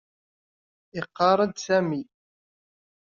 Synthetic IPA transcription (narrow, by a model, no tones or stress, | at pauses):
ɪqːɑɾˤəd̪sæmi